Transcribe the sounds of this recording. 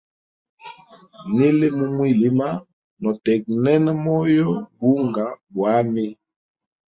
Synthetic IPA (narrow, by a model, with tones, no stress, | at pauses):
ni˦le˦mu˦mwi˦˨li˦ma˦ | nɔ˨tɛ˨k̚nɛ˦nɛ˦mɔ˦jɔ˦bu˦ŋɡa˨bwa˨˦mi˦